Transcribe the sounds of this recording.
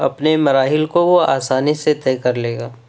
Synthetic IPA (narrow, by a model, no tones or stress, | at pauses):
ɐ̰pnemɐɾaːɦɪlkoʋoa̰ːsaːniset̪ɛːkɐɾleːɡaː